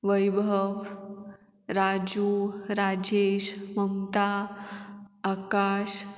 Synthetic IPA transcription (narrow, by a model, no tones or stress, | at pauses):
ʋəjbʱəʋ | ɾad͡ʑuɾad͡ʑeːʃməmt̪a | akaːʃ